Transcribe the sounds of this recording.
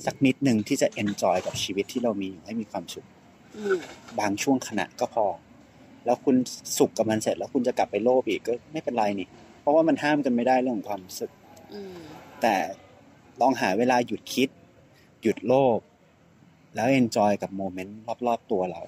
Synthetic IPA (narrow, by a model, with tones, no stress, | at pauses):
sa˨˩k̚ni˦˥t̪̚nɯ˨˧ŋt̪ʰiː˥˩t͡ɕa˨˩ʔe˧nt͡ɕɔː˧jka˨˩p̚t͡ɕʰiː˧wi˦˥t̪ʰːiː˥˩ɾa˧wmiː˧juː˨˩ha˥˩jmiː˧kʰwaː˧msu˨˩k̚ | baː˧ŋt͡ɕʰu˥˩əŋkʰa˧na̰˨˩ʔkɔː˥˩pʰɔː˧ | lɛː˦˥wkʰu˧nsu˨˩kːa˨˩p̚ma˧nse˨˩t̪̚lɛː˦˥ku˧nt͡ɕa˨˩ka˨˩pːa˧jloː˥˩p̚ʔiː˨˩kːɔː˥˩ma˥˩jpe˧nɾa˧jni˧˩ | pʰɔ˦˥waː˥˩ma˧nɦaː˥˩mka˧nma˥˩jdaː˥˩jɾɯ˥˩ŋkʰːɔ˩˦kʰwaː˧mɾu̥˦˥sɯ˨˩k̚ː | t̪ɛː˨˩ | lɔː˧ŋɦaː˩˦weː˧laː˧ju˨˩t̪̚kʰi˦˥t̪̚ | ju˨˩t̪̚loː˥˩p̚ | lɛː˦˥wʔe˧nt͡ɕɔː˧jka˨˩p̚moː˧me˦˥nlɔː˥˩p̚lɔː˥˩p̚t̪u˧ɐla̰˧˩w